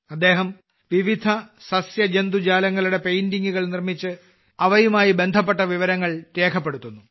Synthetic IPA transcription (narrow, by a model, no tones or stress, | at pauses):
ɐd̪ːe̞ːɦɐm | ʋiʋid̪ʱɐsɐsjɐd͡ʑend̪ud͡ʑaːlɐŋːɐɭuɽe̞pe̞jndiŋɡuɣɐɭnirmit͡ɕːɨ | ɐʋɐjumaːjibe̞nd̪ʱɐpːe̞ʈːɐʋiʋɐɾɐŋːɐɭɾeːkʰɐpːe̞ɽut̪ːunːu